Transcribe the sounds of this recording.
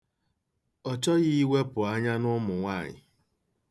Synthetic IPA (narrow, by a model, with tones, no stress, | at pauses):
ɔ˨t͡ʃɔ˦ɣi˦i˦we˦pʊ˨a˦ɲa˦nʊ˦mʊ˨ŋʷa˦˨ɲɪ̰˨